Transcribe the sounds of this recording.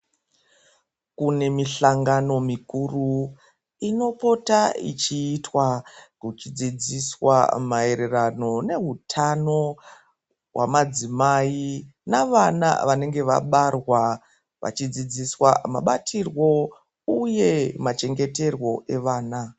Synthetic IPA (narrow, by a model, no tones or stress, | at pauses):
kune̞miɬaŋɡano̞mikuru | ino̞po̞taḭt͡ʃiːtwakut͡ʃid͡zid͡ziswa̰mae̞ɾe̞rano̞ne̞ɦutʰano̞ | wa̰mad͡zimainaʋana̰ʋane̞ŋɡe̞ʋa̰ɓarwa | ʋa̰t͡ʃid͡zid͡ziswama̰ɓatʰirwo̞ | uje̞mat͡ʃe̞ŋɡe̞te̞rwo̞ʔe̞ʋaːna